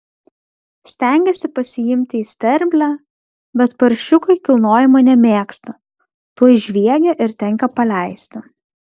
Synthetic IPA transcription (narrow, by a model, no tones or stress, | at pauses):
sʲt̪ʲɛˑŋʲɡʲɛsʲɪpɐsʲɪjɪmʲt̪ʲɪiːsʲt̪ʲɛɾʲbʲlʲæː | bʲɛt̪pɐɾʲʃʲʊkɐɪkʲɪlˠnoːjɪmɐnʲɛmʲeːkst̪ɐ | t̪uɔjʒʲʋʲiɛɡʲɛʔɪɾt̪ʲɛŋʲˑkɐpɐlʲɛˑɪsʲt̪ʲɪ